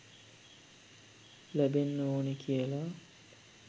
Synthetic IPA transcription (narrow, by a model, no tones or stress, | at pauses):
læbenːəoːnekʰijəla